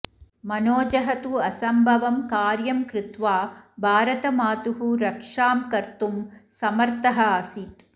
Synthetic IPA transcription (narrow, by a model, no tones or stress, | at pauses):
mɐnoːd͡ʒɐɦɐt̪uɐsɐmbʱɐʋɐmkaːɾjɐmkɾɪt̪ʋaːbʱaːɾɐt̪ɐmaːt̪uɦuɾɐkʂaːmkɐɾt̪umsɐmɐɾt̪ɐɦɐɐsit̪